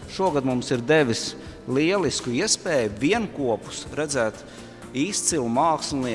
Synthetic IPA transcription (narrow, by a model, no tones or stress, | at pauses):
ʃuɔɡad̪mumsiɾd̪eʋʲis | lˠiɛlˠiskuiɛspɛːjuʋʲiɛnkuɔpu̥sɾæd̪zæːt̪ | iːst̪silˠumaːkslˠi